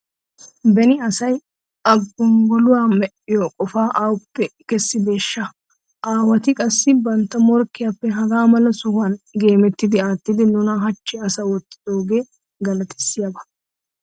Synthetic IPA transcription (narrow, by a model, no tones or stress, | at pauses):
bɛnɪɐsɐj | ɐɡːɔŋɡɔlʊwaːmɛʔɪjɔkʼɔfaːʔaːwʊpːɛkɛsːɪb̪e̞ːʃːɐ | ʔaːwɐt̪ɪkʼɐsːɪbɐnt̪ːɐmɔɾkːɪjapːɛɦɐɡaːmɐlɐsɔhʊaːnɡe̞ːmɛt̪ːɪd̪ɪaːt̪ːɪd̪ɪnʊnɐɦɐt͡ʃːɪɐsɐwɔt̪ʼːɪ̥d̪̥o̞ːɡe̞ː | ɡɐlɐt̪ɪ̥sːɪjɐbɐ